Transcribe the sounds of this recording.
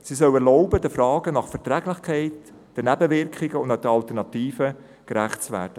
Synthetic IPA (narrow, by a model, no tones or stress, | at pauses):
sisœwɛɾlɔʊbədəfɾɑːɡ̥ənɑχfɛɾtɾɛɡlɪχkʰɛɪt | d̥ɛnæbəʋɪɾkχɪɡəʊndadəɑlt̪ənɑtiːfə | kɾæχtt͡sʋæ̰ːd̥ə